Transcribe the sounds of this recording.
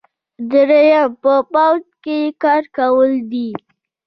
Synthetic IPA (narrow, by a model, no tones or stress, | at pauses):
d̪əɾajapəpawd͡ʒkekɑɾkawəld̪i